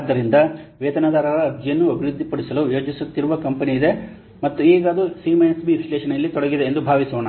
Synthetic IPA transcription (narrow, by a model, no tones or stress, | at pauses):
d̪ːɐɾind̪ɐʋeːt̪ɐnɐd̪aːɾɐɾɐːbʱd͡ʒijɐnːuɐbʱiɾud̪ʱːipɐɽisɐlujo̞ːd͡ʒɐsut̪ːiɾuʋɐkɐmpɐniːd̪e̞ | mɐt̪ːueːɡaːd̪ɾusiːmɐjnsbiɾisɐleːʃɐnɐjɐlːit̪ɔɽɐɡid̪e̞ːnd̪ubʱaːʋisoːnɐ